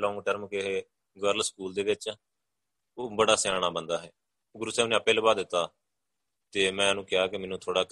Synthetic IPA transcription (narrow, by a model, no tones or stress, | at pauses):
lɔ̃ːŋɡʈəɾmkeɦeː | ɡəɾlskuːld̪eːʋɪt͡ʃ | oːbəɽaːsjaːɳ̃aːbənd̪aːɦɛː | ɡʊɾsɛːʊnẽːəpeːləbaːd̪ɪt̪ːaː | t̪eːmɛ̃ːnũːkɪjaːkɪmɛːnũːt̪ʰoːɽaːk